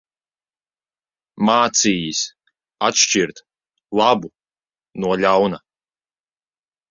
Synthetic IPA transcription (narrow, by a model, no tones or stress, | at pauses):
maːt̪siːjis | at̪ʃt͡ʃiɾt̪ | lˠabu | nuɔlʲawna